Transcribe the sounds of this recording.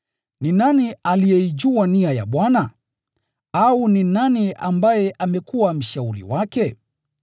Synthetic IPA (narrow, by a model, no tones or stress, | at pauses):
ninanialijɛid͡ʒuaniaja̰ɓwana | auninaniʔambajɛʔamɛkuwam̩ʃauɾḭwakɛ